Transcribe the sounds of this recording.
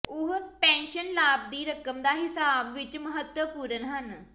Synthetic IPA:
ʊɦpɛ̃ːnʃənlaːb̚d̪iːɾəkəmd̪aːɦɪsaːbʋɪt͡ʃməɦət̪wəpuːɾənɦən

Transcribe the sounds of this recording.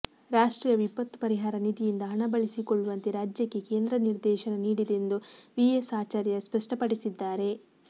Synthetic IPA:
ɾaːʂʈɾiːjɐʋipːɐt̪ːpɐɾiɦaːɾɐnid̪ijind̪ɐɦɐɳɐbɐɭisikoɭːuʋɐnt̪iɾaːd͡ʒjɐkːe̞ke̞ːnd̪ɾɐniɾd̪ɛːʃɐnɐniːɽid̪e̞nd̪uʋiesaːt͡ʃɐɾjɐspɐʂʈɐpɐɽisid̪ːaːɾe̞

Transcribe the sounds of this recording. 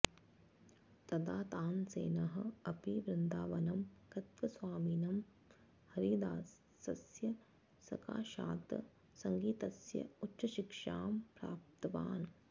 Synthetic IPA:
t̪ɐd̪aːt̪aːnsḛːnɐɦɐɐpiʋɾɪnd̪aːʋɐnɐmkɐt̪ʋɐsʋaːmiːnɐm | hɐɾiːd̪aːsː | ɐsjɐ | sɐ̰ka̰ːʃa̰ːt̪ɐ̰ | sɐŋɡiːt̪ɐsjɐ̰utːʃɐʃikʂaːmpɾa̰ːp̚t̪ɐʋa̰ːn

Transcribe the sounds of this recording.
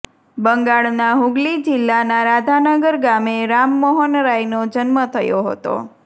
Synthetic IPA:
bəŋɡaɭnaɦuɡlid͡ʒɪlːanaɾad̪ʱanəɡəɾɡameɾamːəɦɔnɾajnod͡ʒənmət̪ʰəjoɦə̰t̪o̰

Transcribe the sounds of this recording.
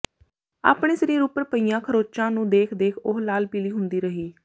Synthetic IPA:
a̰ːpɳeːsəɾĩːɾupəɾpəijãːkʰəɾoːt͡ʃãːnũːd̪eːkʰd̪eːkʰʊɦlaːlpiːliːɦʊnd̪iːɾəɦiː

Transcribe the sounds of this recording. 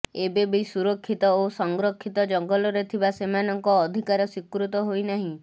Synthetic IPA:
ebebisuɾɔkʰːit̪ɔosɔŋɡɾɔkʰːit̪ɔd͡ʒɔŋɡɔlɔɾet̪ʰibasemanɔŋkɔːd̪ʱikaɾɔsikɾut̪ɔɦojnaɦĩ

